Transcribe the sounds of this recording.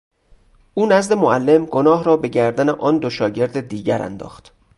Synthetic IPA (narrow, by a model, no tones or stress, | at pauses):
ʔuːnæzd̪e̞moʔælːe̞mɡo̞nɒːɦɾɒːbe̞ɟæɾd̪æneʔɒːnd̪o̞ʃɒːɟe̞ɾd̪ed̪iːɟæɾæ̰nd̪ɒ̰ːxt̪